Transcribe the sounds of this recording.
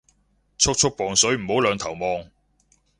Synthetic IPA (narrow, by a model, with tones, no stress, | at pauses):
t͡sʰʊ˥k̚t͡ʃʰʊ˥k̚pɔː˨˩ŋsɵ˨˥ɥm̩˨˩ho˨˥wlœː˨˧ŋt̪ʰɐ˨˩wmɔː˨ŋ